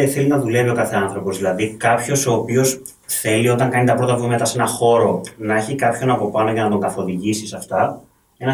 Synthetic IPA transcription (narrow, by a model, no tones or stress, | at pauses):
θe̞linɐðule̞vio̞kɐθe̞ɐnθɾo̞po̞zðilɐðikɐpço̞so̞ːpio̞s | θe̞lio̞t̪ɐŋkɐnit̪ɐpɾo̞t̪ɐvuimet̪ɐse̞nɐxo̞ɾo̞nɐeçikɐpço̞nɐpo̞pɐno̞ʝɐnɐt̪o̞ŋɡɐθo̞ðiʝisisɐft̪ɐ | e̞nɐ